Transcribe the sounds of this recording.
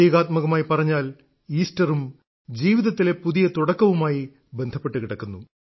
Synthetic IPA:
eːɣaːt̪mɐɣɐmaːjipɐrɐɲːaːl | iːstɐrum | d͡ʑiːʋiðɐt̪ːile̞puðijɐt̪uɽɐkːɐʋumaːji | be̞nd̪ʱɐpːe̞ʈːɨkiɽɐkːunːu

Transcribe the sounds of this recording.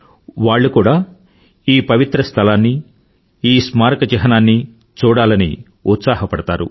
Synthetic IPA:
ʋaːɭːukuːɽaː | iːpɐʋit̪ɾɐst̪ʰɐlaːnːi | iːsmaːɾkɐd͡ʒɛɦɐnaːnːi | t͡ʃuːɽaːlɐnḭ | ut̪saːhɐpɐɽɐt̪aːɾṵ

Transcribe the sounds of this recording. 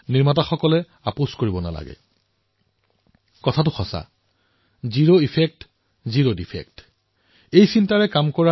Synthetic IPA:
niɹmataxɔkɔlɛ | aposkoɹibɔna̰la̰ɡɛ̰ | kɔtʰatʊxɔsa̰ | ziɹoipʰek̚t | ziɹodipʰɛ̰k̚t | ejsintaɹɛkamkɔɹa

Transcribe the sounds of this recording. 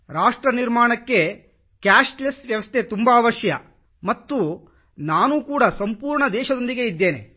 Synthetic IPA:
ɾaːʂʈɾɐniɾmaːɳɐkːe̞ | kaːʂʈlesʋjɐʋɐst̪ʰet̪umbɐːʋɐʂjɐ̰ | mɐt̪ːu | naːnuːkuːɽɐsɐmpuːɾɳɐd̪ɛːʃɐd̪o̞nd̪iɡe̞id̪ːe̞ːne̞̰

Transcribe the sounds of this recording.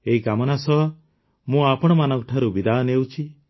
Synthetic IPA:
eɦikamɔnasɔɦ | mũapɔɽ̃ɔmanɔŋkɔʈʰaɾubid̪anewt͡ʃʰi

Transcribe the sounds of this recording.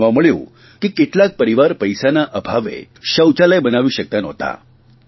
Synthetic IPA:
ʋaməɭjṵː | kiːkiʈlak̚pəɾiʋaɾpəjsanaʔəbʱaʋḛ | ɕəwt͡ɕalajbənaʋiːɕək̚t̪anəɦt̪a̰

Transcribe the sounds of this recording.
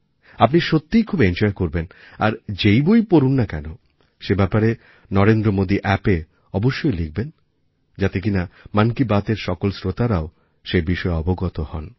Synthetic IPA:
apniʃot̪ːijkʰubend͡ʑɔekoɾben | a̰ɾd͡ʑejbojpoɾunːakɛno | ʃebɛpaɾe | nɔɾend̪ɾomod̪iʔɛpe | ɔboʃːojliɡ̚ben | d͡ʑat̪ekinamankibat̪eɾʃɔkolsɾot̪aɾao | ʃebiʃɔeɔboɡɔt̪ohɔn

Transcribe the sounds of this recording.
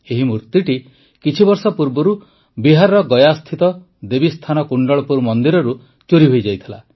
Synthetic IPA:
eɦimuɾt̪iʈi | kit͡ʃʰibɔɾsɔpuɾbɔɾu | biɦaɾɔɾɔɡɔjast̪ʰit̪ɔ | d̪ebist̪ʰanɔkuɳɖɔɭɔpuɾmɔnd̪iɾɔɾu | t͡ʃuɾiɦojd͡ʒajt̪ʰila̰

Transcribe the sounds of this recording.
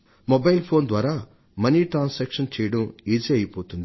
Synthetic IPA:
mobɐjlpʰoːnd̪ʋaːɾaː | mɐniʈɾaːnsɛːkʂɐnt͡ʃɛːjɐɽɐmiːd͡ʒiɐjipoːt̪und̪i

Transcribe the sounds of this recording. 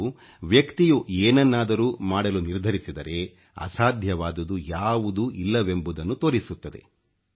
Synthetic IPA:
u | ʋjɐkt̪ijueːnɐnːaːd̪ɐɾuːmaːɽɐluniɾd̪ʱɐɾisid̪ɐɾe̞ | ɐ̰saːd̪ʱjɐʋaːd̪ud̪ujaːʋud̪uilːɐʋe̞mbud̪ɐnːut̪oːɾisut̪ːɐd̪e̞̰

